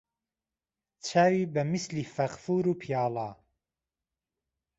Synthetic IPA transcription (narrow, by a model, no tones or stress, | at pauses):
t͡ʃʰaːwiːbɐmisliːfɐqfuːɾuːpʰijaːlˠɑː